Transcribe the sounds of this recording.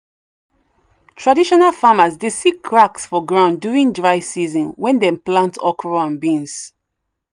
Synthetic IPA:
tʰɹadiʃɔnalfamazdesikʰɹaksfɔɡɹãʊ̃ndjuɹĩŋdɹaɪsizɔ̃nwɛ̃ndɛ̃mplãntʰɔkʰɹɔãnbĩns

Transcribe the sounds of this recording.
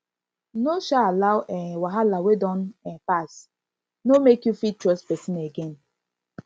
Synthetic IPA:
noʃaalawʔɛwaɦalawedɔnɛpas | nomekjufitɾɔspɛsineɡen

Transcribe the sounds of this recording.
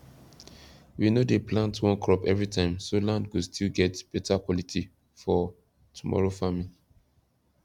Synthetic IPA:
winodeplãntwɔ̃nkɹɔpɛvɹitãɪ̃msolãndɡustʰilɡɛtb̥ɛtʰakwɔlitʰi | fɔ | tʰumɔ̰ɹofamin

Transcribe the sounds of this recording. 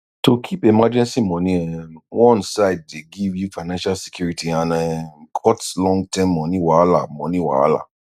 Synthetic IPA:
tokʰipemad͡ʒɛ̃nsimɔ̃nĩɛwɔ̃nsaɪd̚deɡivjufaɪnãʃalsi̥kjuɾitianɛ̃kʰɔtlɔ̃ŋɡ̚tɛmːɔ̃nĩwaala̰mɔ̃nĩwa̰a̰la̰

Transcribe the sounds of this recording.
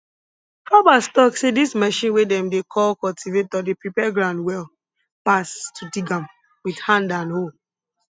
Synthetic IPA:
fɔbastɔksedismɛʃĩnwedɛ̃mdekʰɔlkɔltʰivetɔdepɹipɛɡɹãndwɛl | pastʰudiɡãm | widhãndãnho

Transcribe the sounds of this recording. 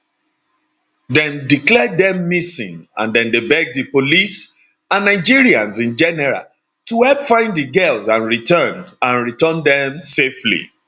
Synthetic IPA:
dɛ̃ndiklɛdðɛ̃mːisḭ̃ŋã̰ndɛ̃ndebɛɡ̚dɨpolis | ãnːaɪd͡ʒiɹiãnzĩnd͡ʒɛnɛɹa̰ | tuɛpfãɪ̃ndðɨɡɛlˠzãnɹitɜ̃nãnɹitɜ̃ndɛ̃mseflḭ

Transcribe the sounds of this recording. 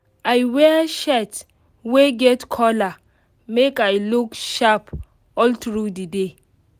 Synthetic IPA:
ajwɛʃɛt | weɡɛtkʰɔla | mekajlukʃap | ɔltɹudide

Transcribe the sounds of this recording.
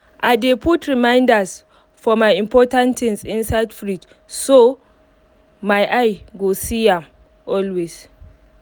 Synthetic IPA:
ʔajdepʰutʰɹimajndas | fɔmajɪ̃mpʰɔtãntɪ̃ŋsɪ̃nsatfɾid | so | majʔajɡosijam | ʔɔlwes

